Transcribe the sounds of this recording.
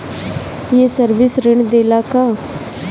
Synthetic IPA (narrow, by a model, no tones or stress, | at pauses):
piesəɾʋɪsɾɪɳd̪eːlaːkaː